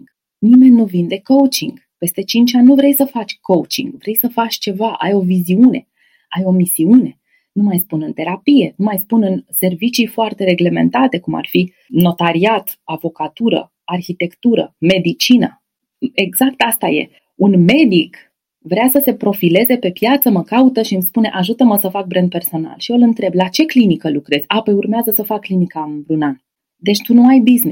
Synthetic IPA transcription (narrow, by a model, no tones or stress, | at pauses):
nime̞nʲːuvind̪e̞kowt͡ʃiŋɡ̥ | pe̞st̪e̞t͡ʃint͡ʃanʲːuvɾe̞jsəfat͡ʃʲkowt͡ʃḭŋɡvɾe̞jsəfat͡ʃʲt͡ʃe̞vaʔa̰jo̞viziune̞̰ | ajo̞misiune̞ | numajspunɨnt̪e̞ɾapije̞numajspunɨnse̞rvit͡ʃijfoart̪e̞ɾe̞ɡle̞me̞̰nt̪at̪e̞kuma̰rfi | no̞t̪aɾiat̪ | avo̞kat̪uɾə̰ | arçit̪e̞kt̪uɾə̰me̞d̪it͡ʃinə̰ | e̞ɡz̥ak̚t̪ast̪aje̞̰ | unme̞d̪ik | vɾeasəse̞pɾo̞file̞ze̞pe̞pjat̪səməkaut̪əʃiɨmspuneʔaʒut̪əməsəfak̚bɾend̪̚pe̞rso̞na̰lʃiolɨnt̪ɾe̞blat͡ʃe̞klinikəlukɾe̞z̥ʲapəjurmeazəsəfakːlinikaɨnbɾunan | d̪e̞t͡ʃʲt̪unuajbizni